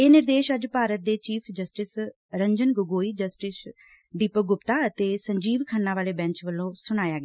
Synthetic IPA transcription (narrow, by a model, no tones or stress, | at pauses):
eːnɪɾd̪eːʃəd͡ʒpaːɾət̪̚d̪eːt͡ʃiːpʰd͡ʒəsʈɪs | ɾəɲd͡ʒənɡʊɡoːiːd͡ʒəsʈɪs | d̪iːpəɡʊpt̪aːət̪eːsəɲd͡ʒiːʋkʰənːãːʋaːleːbɛ̃ːɲt͡ʃʋəlːõːsʊɽ̃aːjaːɡɛa